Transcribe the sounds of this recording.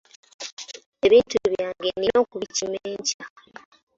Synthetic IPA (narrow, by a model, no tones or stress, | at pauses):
e̞βiːntuβjaːŋɡenino̞ːkuβicimeːɲca